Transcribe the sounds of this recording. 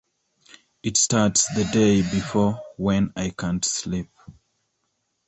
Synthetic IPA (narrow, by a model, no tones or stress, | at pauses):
ɨtstaɹtsðədeɪbifɔwɛ̃najkʰãntslip̚